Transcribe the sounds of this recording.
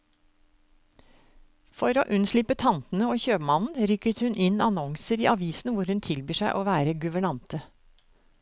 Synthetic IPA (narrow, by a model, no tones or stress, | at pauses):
fɔɾo̰ːʔʉnslɪpət̪ʰɑnt̪n̩əoːçøːpmɑnn̩ɾʏkət̪hʉnʔɪnɑnɔŋsəɾḭːʔɑʋiːsn̩ʋʊɾhʉnt̪ʰɪlbyːʂæɪʔoːʋæːɾəɡʉʋəɳɑnt̪ə